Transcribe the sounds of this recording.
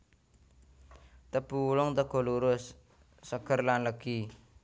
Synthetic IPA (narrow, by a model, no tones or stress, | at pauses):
t̪əpulɔŋt̪əkoluɾosː | əkʰəɾlanləki